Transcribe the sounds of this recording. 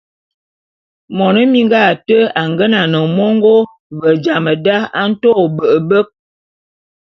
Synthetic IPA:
mɔ˨nə˦mi˦ŋɡa˦˨tə˦a˨ŋɡə˦na˨nə˨mɔ˦ŋɡo˦ | və˨d͡ʒa˨mə˨da˦a˦n̩˦to˦˨bə˨ʔə˨bə˦k̚

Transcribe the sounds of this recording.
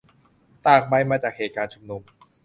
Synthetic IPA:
t̪aː˨˩k̚ba˧jmaː˧t͡ɕaː˨˩k̚heː˨˩t̪̚kaː˧nt͡ɕʰu˧mnu˧m

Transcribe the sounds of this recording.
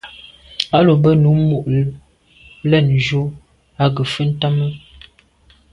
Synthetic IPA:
a˦lo˨bə˦nu˨˦mu˨ʔ | lɛ˦˨n˨d͡ʒo˦ | a˦ɡə˨fə˦n̩˦ta˦mə˦

